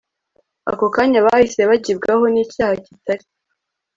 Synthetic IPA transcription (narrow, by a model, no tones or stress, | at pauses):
a̰ko̞kaːɲaβahise̞βaɟibɡaɦo̞niːcaːhacitaɾi